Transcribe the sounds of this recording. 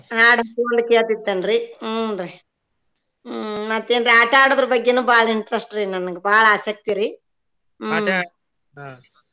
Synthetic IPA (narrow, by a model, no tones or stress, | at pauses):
aːɽɐpoːɳɖkeːt̪id̪ːɐnɾiɾe | mɐt̪ːeːnɾiaʈaːɽɐðɐɾɐbɐɡːenuːbaːɭɐiɳʈɾɐsʈɾinɐnːɐŋɡebaːɭɐɐsɐk̚t̪iɾi